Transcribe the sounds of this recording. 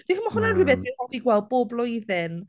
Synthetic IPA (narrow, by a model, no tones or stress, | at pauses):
d̥iəmɔhʊnanrɪbɛθihɔviɡwɛlˠd̚boːblˠʊjðɪn